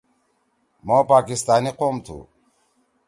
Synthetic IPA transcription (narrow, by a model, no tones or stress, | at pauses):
mopaːkist̪aːniqoːmt̪ʰṵ